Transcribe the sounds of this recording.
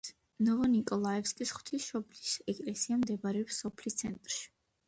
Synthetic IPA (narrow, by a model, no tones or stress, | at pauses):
nɔvɔnikʼɔlˠaɛfskʼisχw̥t̪ʰisʃɔblisɛkʼlɛsiamd̪ɛbaɾɛɔpsɔpʰlist̪sʰɛnt̪ʼɾʃi̥